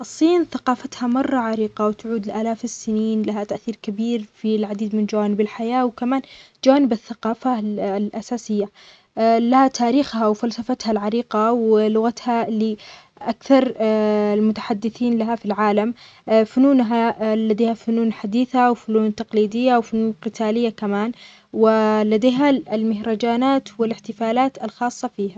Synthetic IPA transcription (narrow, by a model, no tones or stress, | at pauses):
ʔɑsˤːiːnθaqɑːfat̪hamɑrˤːɑʕaɾiːqɑwt̪ʊʕuːd̪ɪlʔaːlaːfɪsːɪniːnlaɦat̪aʔθiːɾkabiːɾfilʕad̪iːd̪mɪnd͡ʒawaːnɪbɪlħajaːwkamaːn | d͡ʒawaːnɪbɪθːaqɑːfalʔasaːsɪjːa | lahat̪ʰaːɾiːxhawfalsafat̪halʕaɾiːqɑwlʊɣat̪halɪ | ʔakθɑɾˤlmʊt̪aħad̪ːɪθiːnlaɦafilʕaːlam | fʊnuːnɦalad̪eːhafʊnuːnħad̪iːθawfʊnuːnt̪ɑqliːd̪ɪjːawfʊnuːnqɨt̪ʰaːlɪjːakamaːn | wɪlad̪eːɦalmɪhɾˤɑd͡ʒaːnaːt̪wɪlɪħt̪ɪfaːlaːt̪ɪlxɑːsˤːɑfiːha